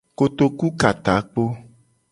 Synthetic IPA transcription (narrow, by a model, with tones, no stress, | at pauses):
ko˨t̪o˨ku˦ka˨t̪a˨˦k͡po˦